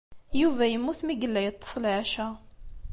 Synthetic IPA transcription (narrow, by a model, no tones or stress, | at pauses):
juvæjəmːuθmiɡəlːæjət̪ˤːə̥sˤlʕaʃæ